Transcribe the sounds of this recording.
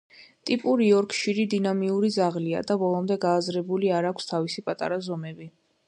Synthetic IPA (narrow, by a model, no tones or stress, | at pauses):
t̪ʼipʼuɾiɔɾkʰʼʃiɾid̪inamiuɾid̪zaʁlia̰d̪abɔlˠɔmd̪ɛɡaːzɾɛbuliaɾakʷʰst̪ʰavisipʼat̪ʼa̰ɾazɔmɛbi